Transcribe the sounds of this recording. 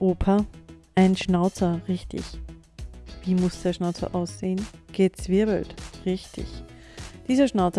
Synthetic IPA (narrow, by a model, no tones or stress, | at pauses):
ʔoːpʰɐʔaɪnʃnaʊt͡sɐʁɪçtɪ̰ç | viːmʊsd̥eːɐʃnaʊt͡sɐ̰ʔaʊsz̥eːənɡ̥ət͡sv̥ɪɐbl̩tʁɪçtʰɪ̰ç | d̥iːzɐʃnaʊt͡s